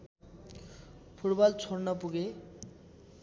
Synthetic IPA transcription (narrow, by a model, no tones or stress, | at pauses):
pʰuʈbɔlt͡sʰoɾnɔpuɡe